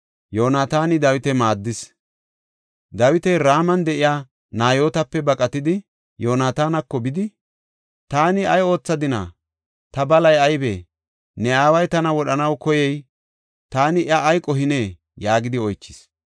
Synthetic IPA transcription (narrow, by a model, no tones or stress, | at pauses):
jo̞ːnaːt̪aːnɪd̪ɐwɪt̪ɛmaːd̪ːɪs | d̪ɐwɪt̪ɛjɾaːmɐnd̪ɛʔɪjaː | naːjo̞ːt̪ɐpːɛbɐkʼɐt̪ɪd̪ɪ | jo̞ːnaːt̪aːnɐkːɔbɪd̪ɪ | t̪aːnɪɐjo̞ːt͡sːɐd̪ɪna̰ː | t̪ɐbɐlɐjɐjbeː | nɛaːwɐjt̪ɐnɐwɔɗɐnɐwkɔjɛj | t̪aːnɪʔɐʔːjkʼɔɦɪne̞ː | jaːɡɪd̪ɪɔjt͡ʃːɪs